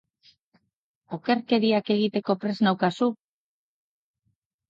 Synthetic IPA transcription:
o̞ke̞ɾke̞ɾiake̞ɣit̪e̞ko̞pɾe̞znawkasu

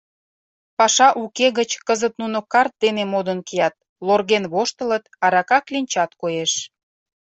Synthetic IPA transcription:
pɑʃɑʔukeɣət͡ɕkəzət̪̚nunokɑrt̪̚d̪enemod̪ənkijɑt̪̚ | lorɣenβoʃt̪ə̆lət̪ɑɾɑkɑklinʲt͡ɕɑt̪kojeʃ

